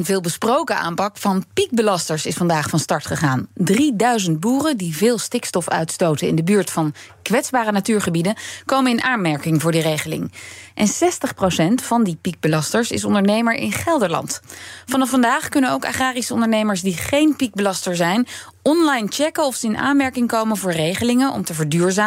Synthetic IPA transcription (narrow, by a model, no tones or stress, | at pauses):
nvɪːlˠbəsprowkəʔa̰ːmpɑkfɑnpik̚bəlɑstəɹsɪsfɑndaːχfɑnstɑɹtχəχaːndridœɥzənt̚buːrədivɪːlˠstɪkstɔfœ̰ɥtstowtəɪ̰ndəbyːɹtfɑn | kʋɛtzbaːrənatyːɹχəbidənkowmənɪnʔaːnmɛɹkɪŋvʊːɹdirejχəlɪ̰ŋʔɛnsɛstəχprowsɛntfɑndipik̚bəlɑstəɹsɪ̰s̬ɔndəɹnejməɹʔɪ̰nχɛlˠdəɹlɑ̰ntfɑnɑfːɑndaːχkɵnənowka̰ːχaːrisəɔndəɹnejməɹsdiχejnpik̚bəlɑstəɹsɛjn | ʔɔnlɑjnt͡ʃɛkəɔfsəɪna̰ːnmɛɹkɪŋkowmənvʊːɹrejχəlɪŋənʔɔ̰mtəvəɹdyːɹzaː